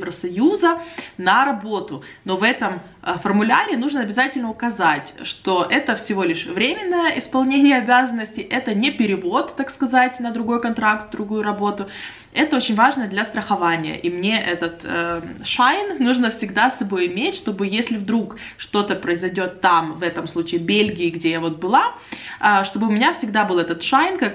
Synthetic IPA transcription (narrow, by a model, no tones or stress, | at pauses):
vɾəsɐjuzənəɾɐbo̞t̪ʊno̞vɛt̪əm | əfərmʊlʲaɾʲɪnuʐnəɐbʲɪzatʲɪlʲnəʊkɐzatʲʂt̪o̞ʔɛt̪əfsʲɪvo̞lʲɪʂvɾʲemʲɪnːəjəʔɪspɐlˠnʲenʲɪjəɐbʲazənːəsʲtʲɪʔɛt̪ənʲɪpʲɪɾʲɪvo̞t̪ːakskɐzatʲnəd̪ɾʊɡo̞jkɐnt̪ɾak̚t̪vd̪ɾʊɡujʊɾɐbo̞t̪ʊ | ɛt̪əo̞t͡ɕɪnʲvaʐnəd̪lʲɐst̪ɾəxɐvanʲɪjə̰ʔimnʲe̞ʔɛt̪ət̪əʂajnnuʐnəfsʲɪɡd̪asːɐbo̞jɪmʲetʲʂt̪o̞bɨjesʲlʲɪvd̪ɾuk | ʂt̪o̞t̪əpɾəɪzɐjdʲo̞t̪ːamvɛt̪əmslˠut͡ɕɪːbʲelʲɡʲɪːɡdʲejavo̞t̪̚bɨlˠa | ʂt̪o̞bɨʊmʲɪnʲafsʲɪɡd̪abɨlˠɛt̪ət̪ʂajnkak